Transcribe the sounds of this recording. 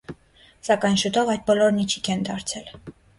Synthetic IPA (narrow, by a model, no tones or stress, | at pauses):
sɑkɑjnʃut̪ɔvɑjd̪̚bɔlɔɾnit͡ʃʰi̥kʰɛnd̪ɑɾt͡sʰɛl